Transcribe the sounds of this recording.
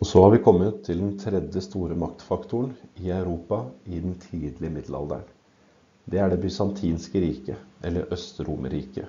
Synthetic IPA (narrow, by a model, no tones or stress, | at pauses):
ɔsɔhɑɾʋɪkʰɔmːət̪ʰːɪld̪ɛnt̪ʰɾɛd̪jəst̪uːɾəmɑkt̪fɑkt̪ʊɳɪɑʉɾuːpɑɪd̪ɛnt̪ʰiːd̪lɪəmɪd̪l̩ɑ̰ld̪æ̰ɳ | d̪ɛæɖɛbʏsɑnt̪ʰiːnskəɾiːkəʔɛlːə̰ɾʔœst̪ɾuːmə̰ɾiːkə